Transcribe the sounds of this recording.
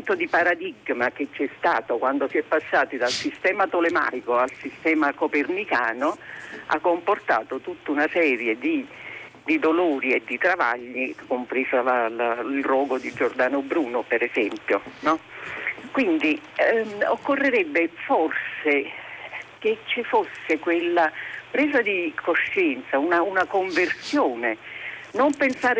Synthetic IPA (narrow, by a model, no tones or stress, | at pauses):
nt̪od̪ipaɾad̪iɡmak̟et͡ʃːɛst̪aːt̪okwand̪osiɛpːasːaːt̪id̪alsist̪ɛːmat̪olema̰ːjkoalsist̪ɛːmakopernikaːnoa̰kːomport̪aːt̪ot̪ut̪ːaunasɛːɾjed̪i | d̪id̪oloːɾied̪ːit̪ɾava̰ʎːikompɾeːsalalailrɔːɡod̪id͡ʒord̪aːnobɾuːnopeɾɛzɛmpjonɔ | kwind̪i | okːorːeɾɛbːeforse | ket͡ʃːifosːekwelːapɾɛːzad̪ikoʃːɛnt̪saunaunakoɱversjoːnenompensaːɾ